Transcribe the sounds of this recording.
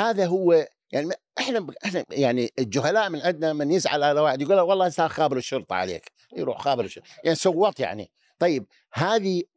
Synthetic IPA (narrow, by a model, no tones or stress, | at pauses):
haːðaɦʊwːa | jaʕniʔɪħnaʔɪħnajaʕnild͡ʒʊɦalaːʔmɪnʕɪd̪namɪnjɪzʕa̰lalawaːʕɪd̪jɡuːlːawɑlˤːɑːsaːɾxaːbɪɾɪʃːʊɾt̪ˤʕa̰lḛːk | jɾṵːħxaːbəɾɪʃʊɾˤjaʕnisʊwːɑt̪ˤja̰ʕnḭ | t̪ˤɑjːɪb̚ | haːði